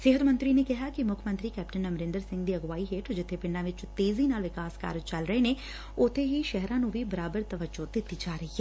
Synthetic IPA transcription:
seːɦət̪mə̃nt̪ɾiːneːkɪɦaːkɪmʊkʰmə̃nt̪ɾiːkɛːp̚ʈənəmɾɪ̃nd̪əɾsɪ̃ŋɡd̪iːəɡʋaːiɦeːʈʰd͡ʒɪt̪ʰːepɪ̃ɳɖãːʋɪt͡ʃt̪eːziːnaːlʋɪkaːska̰ːɾəd͡ʒt͡ʃɐlɾəɦeneː | ʊt̪ʰːeɦiʃɛɦɾãːnũːʋʱibəɾaːbəɾt̪əʋəod̪ɪt̪ːiːd͡ʒaːɾəɦiɦɛː

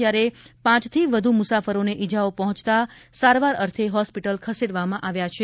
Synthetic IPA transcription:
jaɾepãt͡ʃt̪ʰiʋəd̪ʱumʊsafəɾoneʔid͡ʒaopəɦɔ̃t͡ʃt̪asaɾʋaɾəɾt̪ʰeɦɔspiʈəlkʰəseɽʋamãʔaʋjat͡ʃʰe

